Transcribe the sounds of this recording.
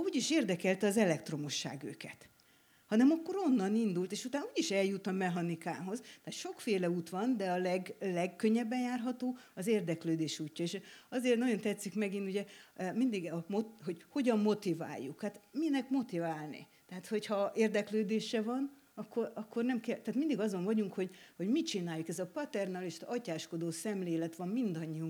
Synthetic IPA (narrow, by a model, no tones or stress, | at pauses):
uːɟiʃeːrd̪ɛkɛlt̪ɛɒzɛlɛkt̪ro̞mo̞ʃːa̰ːɡø̰ːkɛt̪ | hɒnɛmɒkːo̞ɾo̞nːɒnind̪ult̪eːʃut̪aːnuːɟiʃɛljut̪ɒmɛɦɒnikaːɦo̞zt̪ɛɦat̪ʃo̞kfeːlɛuːt̪ʋɒnd̪ɛɒlɛɡlɛɡkøɲːɛbːɛnjaːrɦɒt̪oːɒzeːrd̪ɛkløːd̪eːʃuːcːɒeːʃɒzeːrt̪nɒɟo̞nt̪ɛt̪sːikmɛɡinuɟɛmind̪iɡmoɦo̞ɟho̞ɟɒmːo̞t̪iva̰ːjːukhaːt̪minɛkmo̞t̪ivaːlnḭ | t̪ɛɦaːt̪ho̞chɒeːrd̪ɛkløːd̪eːʃɛvɒn | ɒkʰːo̞rɒkːo̞rnɛmkɛlt̪aːt̪mind̪iɡɒzoɱvɒɟuŋkho̞ɟho̞ɟmit͡ʃinaːjukɛzɒpɒt̪ɛrnɒliʃt̪ɒcaːʃko̞d̪oːsɛmleːlɛt̪ʋɒmːind̪ɒɲːiuŋ